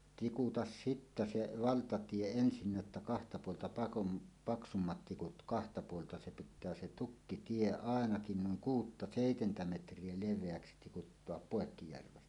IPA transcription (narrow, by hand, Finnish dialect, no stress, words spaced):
tikutɑs sitːæ se ʋɑltɑtie ensinːæ ĕtːæ kɑhtɑ puoltɑ pɑkum pɑksumːɑt tikut kɑhtɑ puoltɑ se pitˑæː se tukːitie ɑˑenɑkin nuiŋ kuːtːɑ seˑitentæ metrˑie leʋˑeæksi tikutːoɑp poˑekːijærʋen